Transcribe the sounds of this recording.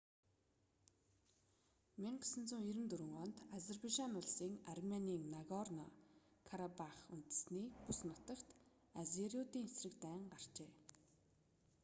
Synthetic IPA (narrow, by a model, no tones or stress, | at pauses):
mʲeɴɢsɘ̆nt͡sŭŋiɾɘ̆nt̪ɵɾɘ̆ŋɔːnt̪azerpeʃanʊɮsiːŋarmʲaniːŋnaɣɔrnɔ̰kʰaɾapaχun̥t̪ɘ̥̆sniːpusnʊt̪ə̆kt̪ | azeɾiʊt̪iːŋesrɘ̆kt̪æːɴɢar̥t͡ɕeː